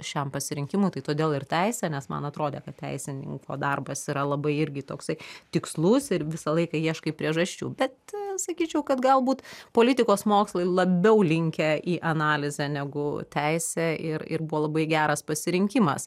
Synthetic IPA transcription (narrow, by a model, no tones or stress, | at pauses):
ʃʲɛmpɐsʲɪɾʲɪŋʲkʲɪmʊɪt̪ɐɪt̪oːd̪ʲeːlˠɪrt̪ʲæɪsʲɛnʲɛsmɐ̰nɐt̪ɾoːd̪ʲeːkɐt̪̚tʲɛ̰ɪsʲɪnʲɪ̰ŋko̰ːd̪ɐrbɐsiːɾɐlˠɐbɐɪɪɾʲɡʲɪt̪oːksɐɪt̪ʲɪkslˠʊsɪɾʋʲɪsɐlˠɐɪkɐjiɛʃkɐipʲɾʲiɛʒɐʃʲt͡ʃʲṵːbʲɛt̪sɐkʲiːt͡ʃʲɛʊkɐt̪ɡɐlˠbuːt̪poːlʲɪt̪ʲɪkoːsmoːkslˠɐɪlˠɐbʲɛʊlʲɪŋʲkʲɛʔiːʔɐnɑːlʲɪzʲɛnʲɛɡʊt̪ʲæɪsʲeʔɪɾɪ̰rbuʋoːlˠɐbɐɪɡʲæːɾɐspɐsʲɪɾʲɪŋʲkʲɪmɐ̰s